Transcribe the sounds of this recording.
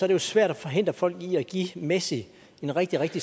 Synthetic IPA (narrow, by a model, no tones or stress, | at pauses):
ɒ̽æɐɾ̥ejosʋæɐ̰ɾ̥æfɒ̽ɦe̝n̰d̥ʁɐfɒ̽l̰ɡ̥iæɡ̥imesi | e̝nʁeɡ̥d̥iʁeɡ̥̚d̥i